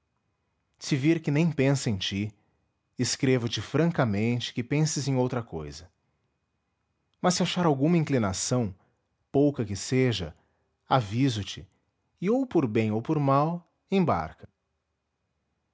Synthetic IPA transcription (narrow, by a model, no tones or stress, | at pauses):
sɪviɾkɪnẽj̃pẽsɐẽj̃t͡ʃi | ɪskɾevɐt͡ʃɪfɾɐ̃ŋkɐmẽnt͡ʃɪ̥kɪpẽsɪzẽj̃owt̪ɾɐkojzɐ | mɐsːɪaʃaɾawɡũmɐĩŋklinasɐ̃w̃ | powkɐkɪseʒɐ̰ | avizʊt͡ʃɪ | ɪowpoɾbẽj̃owpoɾmaw | ẽba̰ɾkɐ̥